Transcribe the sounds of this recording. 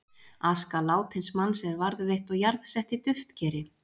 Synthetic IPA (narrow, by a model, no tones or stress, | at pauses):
askalaːwt̪ʰhɪnsmanːsɛɛɾvaɾðvejht̪ɔɣjaɾðsɛht̪it̪ʏft̪cɛːɾɪ